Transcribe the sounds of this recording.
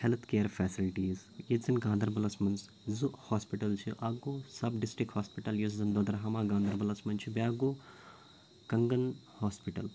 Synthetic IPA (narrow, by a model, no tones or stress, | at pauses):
helt̪ʰkeːəɾfʰɛːsilʈiːzjed͡zinɡãːnd̪ʱəɾbɐlɐsmɐns | zuʔhoːspiʈɐlt͡ʃʰiʔaɡosɐbɖisʈɾikhoːspiʈɐljuszɐnd̪od̪ɐɾɦɐmãːɡãːnd̪ʱɐɾbɐlɐsmɐnt͡ʃʰibaːɡo | kɐŋɡɐnhoːspiʈɐl